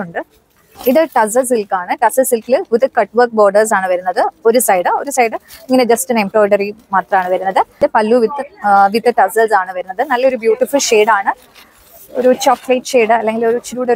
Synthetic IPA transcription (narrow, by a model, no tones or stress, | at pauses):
uɳɖɨ | iðɨʈɐs̬ɐs̬ilkaːɳɨʈɐsɐsilkilɡuðɨkɐʈːʋɐrk̚bo̞ːɖɐrs̬aːɳɨʋɐɾunːɐðɨo̞ɾusɐjɖɨo̞ɾusɐjɖɨiŋːɐned͡ʑɐstɨnempoːɖɐrimaːt̪rɐmaːɳɨʋɐɾunːɐðɨdɨpɐlːuʋit̪ːɨʋiðɨʈɐsɐlsaːɳɨʋɐɾunːɐðɨnɐlːɐoɾubjuːʈːifulʂeːɖaːɳɨ | o̰ɾut͡ɕoːkːlɐjʈːʂeːɖɨɐlːeŋɡilo̞ɾut͡ɕiɾuːɽe